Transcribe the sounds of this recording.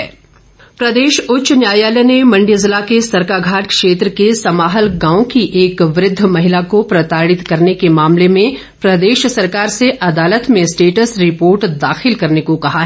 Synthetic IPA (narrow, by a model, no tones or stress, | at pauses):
ɛː | pɾɐd̪eːʃʊtːʃnjaːjaːlɛnemɐ̃ɳɖizɪlakesɐɾkaːɡʱaːʈkʃeːt̪ɾəkesɐmaːɦəlɡãːõkiʔeːkʋɾɪd̪ʱːəmɐɦɪlakopɾɐt̪aːɽɪt̪kɐɾnekemaːmlemẽ | pɾɐd̪eːʃsɐɾkaːɾseʔɐd̪aːlət̪mẽsʈeːʈəsɾɪpoːɾʈd̪aːxɪlkɐɾnekokɐɦaɦɛ